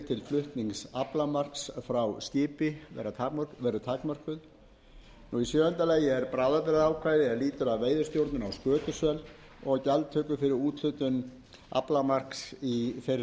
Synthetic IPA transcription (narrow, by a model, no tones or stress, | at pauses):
t̪ʰɪlflʏht̪niŋksaplamar̥ksfɾawscɪːpɪvɛ̰rat̪ʰaœkvɛɾʏt̪ʰaːkmœr̥kʏð | nuisjœːʏnt̪aleːjɪɛɾpɾaːwðapɛɾaðawkʰvajðɪɛɾliːt̪ʏɾaðveːjðʏɾ̥st̪jowɾt̪nʏnawskœːt̪ʏsœl | ɔɣcɛlt̪t̪ʰœːkʏfɪɾɪɾuːt̪lʏt̪ʏn | a̰plamar̥ksifeɾ